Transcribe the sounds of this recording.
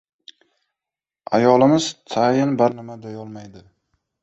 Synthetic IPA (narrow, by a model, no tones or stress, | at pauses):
a̰jɒlɪmɪz̥t̪ʰajɪnbaɾnɪmad̪ajɒlˠmajd̪ɪ